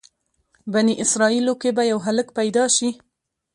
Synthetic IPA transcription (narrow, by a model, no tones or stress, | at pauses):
baniʔɪsɾɑilokebajawɦaləkpajd̪ɑʃi